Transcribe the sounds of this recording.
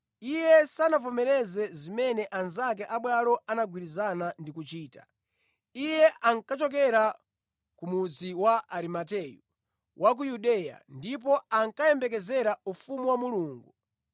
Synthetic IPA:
ijɛsanavɔmɛɾɛzɛzimɛnɛʔanzakɛʔaɓwalɔanaɡwiɾizanandikut͡ʃiːta | ijɛʔaŋkat͡ʃɔk̬ɛɾa | kumud͡ziwaaɾimatɛju | wʔak̬ujuɗɛja̰ndip̬ɔaŋkajɛmbɛk̬ɛzɛɾaufumuwamuluːŋɡu

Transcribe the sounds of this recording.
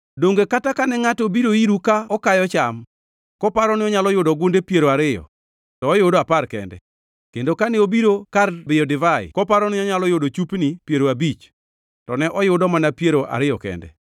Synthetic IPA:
doŋɡekatakanɛŋatobiɾoiɾukaɔkajɔt͡ʃam | kɔpaɾɔnɪɔɲalɔjʊdɔɡondepjeɾoaɾɪjɔ̰ | tɔːjʊdɔaparkɛ̰ndɛ̰ | kendokanɛobiɾokarbɪjɔdɪvajɪ̰kɔpaɾɔnɪɔɲalɔjodot͡ʃupnipjeɾoabit͡ʃ | tɔnɛʔɔjʊdɔmanapjeɾoʔa̰ɾɪjɔkɛ̰ndɛ̰

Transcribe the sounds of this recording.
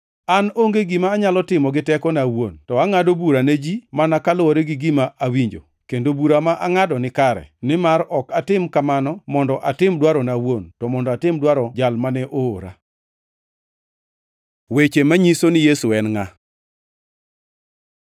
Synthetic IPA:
anoŋɡeɡimaːɲalɔtɪmɔɡɪtɛkɔnawontɔaŋadobuɾaned͡ʒimanakalɔɾeɡɪɡɪmaʔawiɲd͡ʒo̰ | kendobuɾamaʔaŋadɔnɪkaɾɛ̰nɪmaɾɔkatɪmkamanɔmɔndɔʔatɪmdwaɾɔnawontɔmɔndɔatɪmdwaɾɔd͡ʒalmanɛʔooɾa̰ | wet͡ʃemaɲisonɪjesuɛnŋa

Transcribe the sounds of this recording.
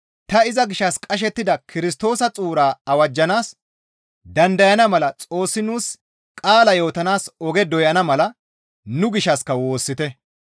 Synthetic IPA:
t̪ɐɪzɐɡɪʃːɐskʼɐʃ̬ɛt̪ːɪd̪ɐkʰɪɾɪs̬t̪o̞ːsɐt͡sʼuːɾaːɐwɐd͡ʒːɐnaːs | d̪ɐnd̪ɐjɐnɐmɐlɐt͡sʼo̞ːsːɪnuːs | kʼaːlɐjo̞ːt̪ɐnaːsɔɡɛd̪ɔjɐnɐmɐlɐ | nʊɡɪʃɐskːɐwo̞ːsːɪt̪ɛ

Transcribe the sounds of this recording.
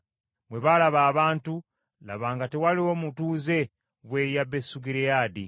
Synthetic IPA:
mwe̞βalaβaːβaːntu | la̰βaːŋɡatewaliwomutuːze̞ | βwe̞jabe̞suɡiɾeaːdḭ

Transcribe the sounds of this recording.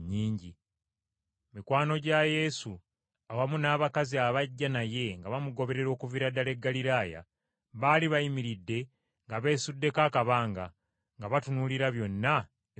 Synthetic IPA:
ɲːiːɲɟi | mikwaːno̞ɟaje̞su | awamunaːβakaziaβaɟːanaje̞ŋɡaβamuɡo̞βe̞ɾe̞ɾo̞ːkuviɾadale̞ɡːaliɾaːja̰ | βaːliβajimiɾidːe̞ | ŋɡaβe̞ːsudːe̞kaːkaβaːŋɡa̰ | ŋɡaβatunuliɾaβjo̞nːa

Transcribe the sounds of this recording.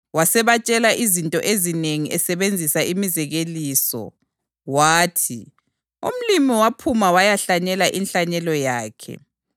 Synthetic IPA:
wasɛβat͡ʃʼɛlaʔizintʼɔ̰ʔezineŋiʔɛsɛβend͡zʱisaimizɛɣeliːsɔ̰ | waːtʰi | um̩limiwapʰumawajaɬaɲɛlaʔinɬaɲɛlɔjaːkʰɛ̰

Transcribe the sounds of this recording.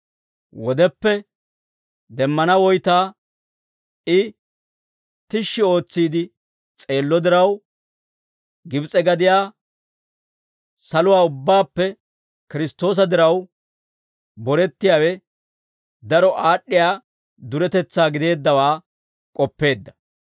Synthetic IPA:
wɔd̪ɛpːɛ | d̪ɛmːɐnɐwɔjt̪aː | ɪ | t̪ɪʃːɪo̞ːt͡sːiːd̪ɪ | t͡sʼe̞ːlːɔd̪ɪɾɐw | ɡɪbt͡sʼɛɡɐd̪ɪjaː | sɐlʊwaːʊbːaːpːɛ | kɪɾɪst̪ːo̞ːs̬ɐd̪ɪɾɐw | bɔɾɛt̪ːɪjaːwɛ | d̪ɐɾɔʔaːɗːɪjaː | d̪ʊɾɛt̪ɛt͡sːaːɡɪd̪e̞ːd̪ːɐwaː | kʼɔpːe̞ːd̪ːɐ̥

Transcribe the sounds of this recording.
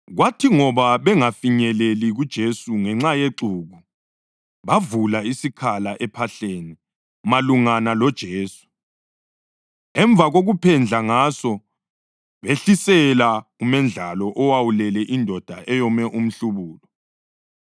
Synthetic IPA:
ɣwatʰiŋɔβaβɛŋafiɲɛleliɣud̥ʒ̥ʱesuŋɛŋ͡ǁajeǀuːɣu | βavulaisikʰalaʔɛpʰaɬeːni | maluŋanalɔd̥ʒ̥ʱeːsu̥ | ɛɱb̪vʱaɣoɣupʰɛnd͡ɮʱaŋasɔ | βeɬisɛlaumɛnd͡ɮʱalɔʔɔwawulɛlɛʔindʱɔd̥ʱaʔɛjɔmɛʔum̩ɬuβuːlɔ

